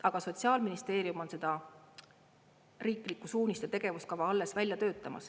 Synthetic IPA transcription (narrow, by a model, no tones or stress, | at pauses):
ɑɡ̥ɑso̞t̪ʲsiɑːlminist̪e̞ːɾiumo̞nse̞d̪̥ɑ | riːklikːˑusuːnʲist̪et̪e̞ɡ̥e̞vuskɑvɑɑlːe̞svælʲjɑt̪ø̞ːt̪ˑːɑmɑ̰s